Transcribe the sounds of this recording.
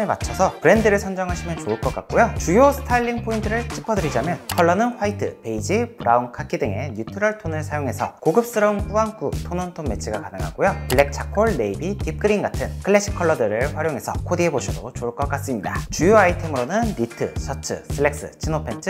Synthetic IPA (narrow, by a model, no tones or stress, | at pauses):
ɯɭma̰t͡ɕʰʌsʰʌpɯɾe̞ndɯɾɯɭsʰʌnd͡ʑʌŋɦaɕʰimjʌnt͡ɕoɯɭk͈ʌk͈ak̚k͈ojot͡ɕujosʰɯ̥tʰaʎːiŋpʰointʰɯɾɯɭt͡ɕʰi̥pʰʌdɯɾid͡ʑamjʌnkʰʌɭːʌnɯnɸwaitʰɯ̰pe̞id͡ʑipɯɾaunkʰakʰidɯŋe̞ɲutʰɯɾʌɭtʰonɯɭsʰajoŋɦe̞sʰʌ̰koɡɯp̚s͈ɯɾʌŋɸuaŋkutʰonontʰonme̞t͡ɕʰiɡakanɯŋɦa̰ɡojopɯɭek̚t͡ɕʰakʰoɭne̞ibikip̚k͈ɯɾiŋɡatʰɯnkʰɯɭːe̞ɕ͈ʰi̥kʰʌɭːʌdɯɾɯɭɸwaɾjoŋɦe̞sʰʌ̰kʰodie̞boɕʰidot͡ɕoɯɭk͈ʌk͈as͈ɯmɲidat͡ɕujoaitʰe̞mɯɾonɯnːitʰɯ̰sʰʌt͡ɕʰɯ̰sʰɯɭːe̞k̚s͈ɯ̰t͡ɕʰinopʰent͡ɕʰɯ